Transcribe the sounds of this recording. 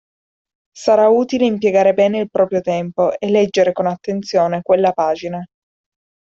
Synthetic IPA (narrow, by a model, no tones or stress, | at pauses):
saɾauːt̪ileimpjeɡaːɾebɛːneilpɾɔːpɾjot̪ɛmpoelːɛd͡ʒːeɾekonat̪ːent̪sjoːnekwelːapaːd͡ʒina